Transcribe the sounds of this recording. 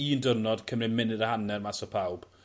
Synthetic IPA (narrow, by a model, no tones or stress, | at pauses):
iːndərnɔd̥kʰəmrɪmɪnɪɾəhanɛrmasɔpʰawb̥